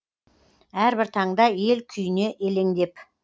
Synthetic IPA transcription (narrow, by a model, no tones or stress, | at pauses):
æɾbɪɾt̪ʰɑɴd̪ɑje̞lkʲʰʏjɪne̞ʔele̞ŋd̪e̞p